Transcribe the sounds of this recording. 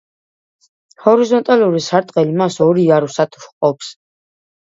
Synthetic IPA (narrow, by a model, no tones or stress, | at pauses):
hɔɾizɔnt̪ʼaluɾisaɾt̪ʼqʼɛlimasɔɾiaɾusat̪ʰu̥ʃqʼɔpʰs